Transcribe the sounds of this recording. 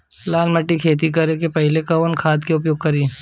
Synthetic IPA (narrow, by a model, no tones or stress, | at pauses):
laːlmɐʈːikʰeːt̪̬ik̬ɐɾekepɛɦɪlekɐʋənkʰaːt̪keʊp̬joːɡ̚kɐɾiː